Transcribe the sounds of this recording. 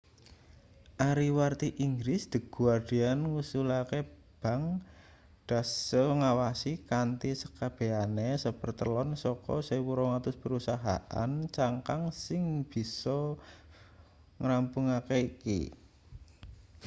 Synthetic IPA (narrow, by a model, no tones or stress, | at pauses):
ʔaɾiwart̪iʔiŋɡɾɪsd̪̥ə̤ɡ̥uard̪̥ianŋusulake | b̥a̤ŋ | d̪̥a̤səŋawasikant̪isə̥kab̥e̤anesəpərt̪əlɔnsɔkɔ̰sawuɾɔŋat̪ʊspəɾusaɦa̰ʔa̰nt͡ʃaŋkaŋsɪŋb̥i̤sɔ | ŋɾampuŋakeikḭ